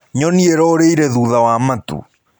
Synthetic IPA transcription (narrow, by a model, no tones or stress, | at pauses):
ɲɔniɛɾɔːɾeiɾɛðuðawamatṵ